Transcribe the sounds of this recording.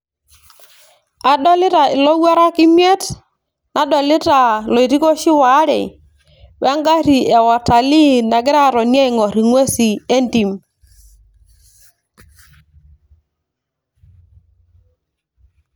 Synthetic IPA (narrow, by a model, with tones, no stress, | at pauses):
a˨dɔ˦lɪ˦ta˨ɪ˨lɔ˦wwa˦ɾa˦ki˦mjɛ˦t | na˨dɔ˨lɪ˦ta˨lɔ˨i˨ɾi˦kɔ˦ʃi˦wa˨˦ɾɛ̰˨ | wa˦ŋɡa˦ɾi˨ɛ˨wa˨ta˨li˦na˨ɡɪ˦ɾa˦˨ɾɔ˨njɛ˦i˨ŋɔ˨ɾi˨ŋwe˦si˨e˦ndi˨m